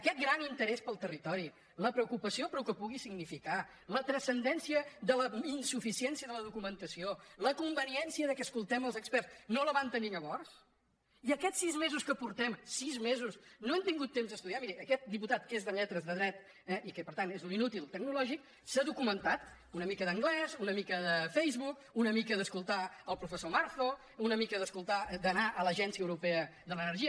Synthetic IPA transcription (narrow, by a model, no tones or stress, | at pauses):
əkɛt̪̚ɡɾanint̪əɾɛspəlˠt̪ərit̪ɔɾi | ləpɾəukupəsiopɾukəpuɣisiɡnifika | lət̪ɾəsənd̪ɛnsiəðələinsufisiɛnsiəðələðukumənt̪əsioləkumbəniɛnsiəðəkɛəskulˠt̪ɛməlˠzəkspɛrsnoləβant̪əniŋəβɔrs | iəkɛsːizmezuskəpuɾt̪ɛmsizmezusnoɛmt̪iŋɡut̪ːemzðəst̪uðiamiɾiʔəkɛt̪̚d̪iput̪at̪kezðəʎɛt̪ɾəzðəðɾɛt̪ | ɛʔikəpəɾt̪anezuninut̪ilˠt̪əɡ̚nulɔʒik̚ | səðukumənt̪at̪ | unəmikəðəŋɡlɛzunəmikəðəfɛjzβuk | unəmikəðəskulˠt̪aəlˠpɾufəsomaɾθo | unəmikəðəskulˠt̪ad̪ənaʔələʒɛnsiəwɾupɛəðələnəɾʒiə